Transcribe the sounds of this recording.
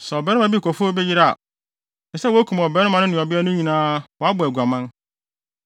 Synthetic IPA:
sɛ˨bɾɛ˦nʊ̃˦mã˨bi˦˨kʰɔ˨fo˦bɛ˦jɪ˦ɾa˦˨a̰˨ | ɛ˨sɛ˦wæ˦kʰũ˨m˨ɔ˨bɾɛ˦nʊ̃˦mã˨nʊ̃˦nɪ̃˨ɔ˨bɪ˦a˦nʊ̃˦ɲĩ˨nãː˦wɔ˨a˦bʊ˨ɛ˨ɡʷa˨mã˦n

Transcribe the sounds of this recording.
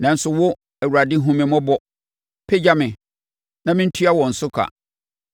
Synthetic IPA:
nã˨n̩˦sʊ˨wʊ˦ | æ˨wu˨ɾa˨dɪ˦ɦũ˦mɪ̃˨mɔ̃˦bɔ˨ | pʰɛ˦d͡ʑa˦mɪ̃˨ | nã˦mɪ̃˦n̩˦tʰu˦a˦wɔ̃˨n̩˨sʊ˦kʰa̰˨

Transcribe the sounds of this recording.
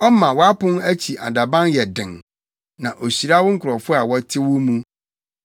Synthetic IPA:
ɔ˦mã˨wɔ˦a˦pʊ̃˦næ˦t͡ɕʰi˨ʔa̰˨da˨bã˦njɛ˨dɪ̃˨ŋ | nã˨ʔo˨ɕi˨ɾa˦wʊ˦ŋ̩˦kʰʊ˨ɾɔ˨fʊ˦a˨wɔ˦tʰɪ˦wʊ˦mũ˦

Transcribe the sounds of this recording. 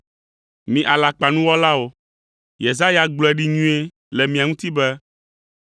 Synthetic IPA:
mĩ˨ʔa˨la˨k͡pa˨nũ˦wɔ˦la˦wo˨ | je˨za˦ja˨ɡ͡blɔ˦ɛ˨ɖi˦ɲũ˦e˦ | lɛ˨mĩ˨ã˨ŋũ˦t̪i˦bɛ˦

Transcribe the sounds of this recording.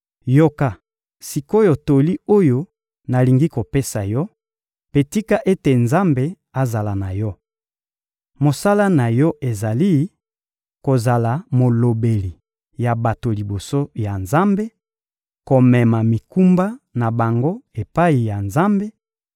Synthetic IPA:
jo˦ka˨ | si˨ko˦jo˨to˨li˦o˦jo˦ | na˨li˨ŋɡi˦ko˨pe˦sa˨jɔ˦ | pe˨ti˦ka˦ʔe˦te˨nza˦mbe˦ | a˨za˨la˨na˨jɔ˦ | mo˨sa˦la˦na˨jɔ˦ʔe˨za˨li˦ | ko˨za˨la˨mo˨lo˨be˨li˨ | ja˨ba˨to˨li˨bo˨so˦ja˨nza˦mbe˦ | ko˨mɛ˨ma˨mi˨ku˦mba˦na˨ba˨ŋɡo˦e˨pa˦i˨ja˨nza˦mbe˦

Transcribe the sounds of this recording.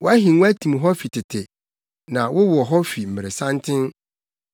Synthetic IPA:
wɔ˦æ˦ɦĩ˨˦wæ˦tʰĩ˨mɦɔ˦fi˨tʰɪ˨tʰɪ˨ | nã˨wʊ˦wʊ˨ɔ˨ɦɔ˦fi˨m̩˨mɪ̃˨ɾɪ˨sã˦ntʰɪ̃˦n

